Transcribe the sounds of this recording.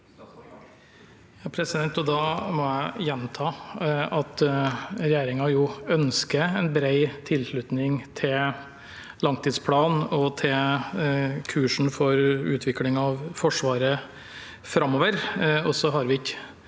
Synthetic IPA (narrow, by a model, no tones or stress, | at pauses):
jɑːpʰɾɛsɪd̪ɛnt̪ɔd̪ɑːmɔæɪjɛnt̪ʰɑːɑt̪ɾɛjeːɾɪŋɑjuːœnskəɛnbɾeɪt̪ʰɪlʂɭʉt̪nɪŋt̪ʰɪl | lɑŋt̪ʰiːd̪spʰlɑːnɔt̪ʰɪl | kʰʉːʂɳ̩fɔɾʉ̰ːt̪ʰʋɪklɪŋɑʋfɔʂʋɑːɾə | fɾɑmoːʋəɾɔsɔɦɑɾʋɪɪk